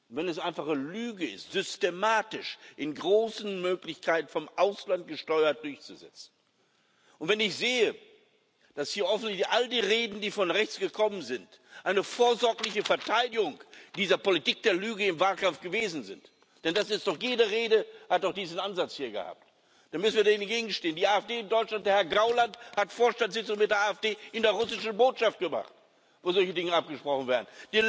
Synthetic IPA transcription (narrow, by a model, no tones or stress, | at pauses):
ʊntvɛnɛsʔaɪnfaχəlyːɡəɪ̰stz̥ʏstemaːtɪʃʔɪnɡʁoːsn̩møːklɪçkʰaɪtn̩fɔmʔaʊslant̚ɡ̥əʃtɔʏɐt̚d̥ʊɐçt͡suzɛ̰t͡sn̩ | ʔʊntv̥ɛnɪçz̥eːə | d̥ashiːɐhɔfn̩tlɪçʔaldiːʁeːdn̩diːfɔnʁɛçt͡sɡ̥əkʰɔmənzɪnt | ʔaɪnəfoːɐzɔɐklɪçəfɛɐtʰaɪdɪɡʊŋd̥iːzɐpolitiːk̚d̥eːɐlyːɡəɪmvaːlkamfɡ̥əveːzn̩zɪ̰nt | d̥ɛndasɪstd̥ɔχjeːdəʁeːdəhat̚aʊxd̥iːzn̩ʔanzat͡shiːɐɡə̰ha̰ːp̚t | d̥aːmʏsn̩viːɐdahɪnnɡeːɡŋ̩ʃteːəndiːaːɛfd̥eːd̥ɔʏtlant̚d̥ːɐhɛɐɡʁaʊlanthatfoːɐʃtantz̥ɪt͡sʊŋmɪt̚d̥eːɐʔaːɛfd̥eːʔɪndeːɐʁʊsɪʃn̩boːtʃaft̚ɡ̥əma̰χt | voːzɔlçədɪŋəap̚ɡ̥əʃpʁ̥ɔχn̩veːɐdn̩d̥iː